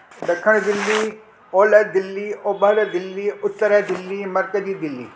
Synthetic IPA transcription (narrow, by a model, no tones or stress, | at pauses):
ɖɐkʰəɽ̃d̪ɪlːi | oːlɐd̪ɪlːiobɐɾd̪ɪlːiʊt̪ːəɾəd̪ɪlːimɐɾkəziːd̪ɪlːḭː